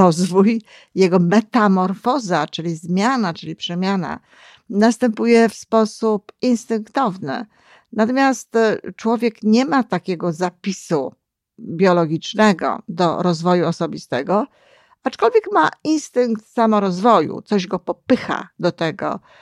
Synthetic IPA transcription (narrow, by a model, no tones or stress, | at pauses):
ɔzvuj | jɛɡɔmɛt̪amɔɾfɔzat͡ʂɘlʲizmʲjanat͡ʂɘlʲipʂɛmʲjana̰ | nast̪ɛmpujɛfspɔsupinst̪ɘŋkt̪ɔvnɘ̰ | nat̪ɔmʲjast̪t͡ʂwɔvʲjɛkɲɛmat̪akʲɛɡɔzapʲisu | bʲjɔlɔɡʲit͡ʂnɛɡɔ̰d̪ɔ̰ɾɔzvɔjuɔsɔbʲist̪ɛɡɔ | at͡ʂkɔlvʲjɛkmainst̪ɘŋk̚t̪samɔɾɔzvɔjṵt̪sɔʑɡɔpɔpɘxa̰d̪ɔt̪ɛɡɔ̰